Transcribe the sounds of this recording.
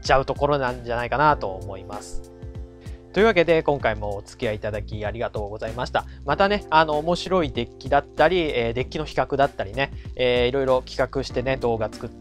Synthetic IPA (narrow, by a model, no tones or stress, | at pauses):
t͡ɕaɯ̟t̪o̞ko̞ɾo̞nãɲd͡ʑanaikanat̪o̞ːmo̞imasɨ̥ | t̪oiɯ̟βake̞d̪e̞kõ̞ŋkaimo̞ːt͡sɨ̥kʲiait̪ad̪akʲiaɾʲiɡat̪o̞ːɡo̞zaimaɕi̥t̪amat̪ane̞ano̞ːmo̞ɕiɾo̞id̪e̞kʲːid̪at̪ːaɾʲieːd̪e̞kʲːino̞çi̥kakɯ̟d̪at̪ːaɾʲine̞eːiɾo̞iɾo̞kʲi̥kakɯ̟ɕi̥t̪e̞ne̞d̪o̞ːɡat͡sɨ̥kɯ̟t̪ː